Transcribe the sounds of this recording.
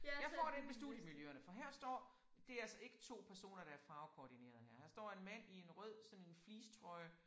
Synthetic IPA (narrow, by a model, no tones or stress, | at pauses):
jɑ̈ɪfɒ̰ːɾee̝nmesd̥ṵðˠjəmiljøɐnəfɒ̽ɦæɐ̰sd̥ɒ̰ː | d̥e̝ælsɐe̝ɡ̥ə̥t͡sʰo̝̰ːpʰæɐso̝̰ːnɐɾ̥ɑ̈æɐfɑ̈ːʊkʰoːd̥ine̝̰ːɐð̞̩ˠhæɐ̰hæɐsd̥ɒ̰ːe̝nmæn̰ie̝nʁœð̰ˠsɒ̽ne̝nfliːst͡sʰʁɒ̽ɪ